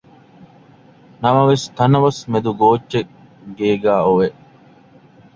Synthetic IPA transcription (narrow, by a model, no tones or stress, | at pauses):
nɐmɐʋest̪ɐnɐʋɐsmed̪uɡoːtːʃe | ɡeːɡæːoʋe